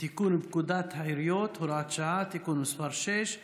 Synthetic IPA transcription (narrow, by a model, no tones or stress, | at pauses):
t̪ikunubkud̪at̪ʰhajɾjot̪huɾaːt͡ʃaːt̪ikunusfɐɾʃeʃ